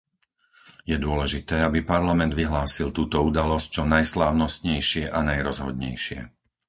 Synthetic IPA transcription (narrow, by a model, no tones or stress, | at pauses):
jɛd̪ʊɔlɛʒit̪ɛːabipaɾlamɛnd̪ʋiɦlaːsilˠt̪uːt̪ɔud̪alɔsc̚t͡ʃɔnajslaːʊnɔst̪ɲɛjʃɪɛʔanajɾɔzɦɔ̰d̪ɲɛ̰jʃɪɛ̰